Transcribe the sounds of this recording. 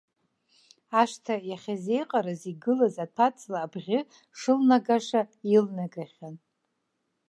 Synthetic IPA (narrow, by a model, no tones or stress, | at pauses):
aʂtʰajaχʲazejqʼaɾaziɡɨlazatʰat͡sʰʼlaːbʁʲɪ | ʂɨlnaɡaʂailnaɡaχʲan